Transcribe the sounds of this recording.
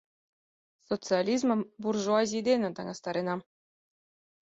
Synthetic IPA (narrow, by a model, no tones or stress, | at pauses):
sot̪t͡sɨalʲizmɤ̆mburʐoɑzʲid̪ʲenʲɘ̆t̪ɑŋɑst̪ɑɾʲinɑ